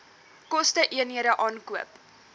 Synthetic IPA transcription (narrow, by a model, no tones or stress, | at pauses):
kɔstəʔiəniəɾəʔɑːnkuəp